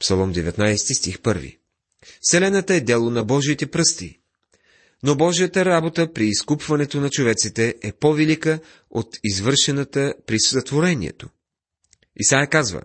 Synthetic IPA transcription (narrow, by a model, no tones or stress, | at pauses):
psɐlˠɔmd̪ɛvɛt̪najst̪ist̪ixpɤɾvḭ | sɛlɛnət̪əɛd̪ɛlˠonɐbɔʒiːt̪ɛpɾɤst̪ḭ | nobɔʒijət̪əɾabot̪əpɾiːskupvɐnɛt̪onɐt͡ʃovɛt̪sit̪ɛʔɛpovɛlikə | ot̪izvɤɾʃɛnət̪əpɾiszɐt̪voɾɛnḭɛ̰t̪o | ḭsajɛkazvə̰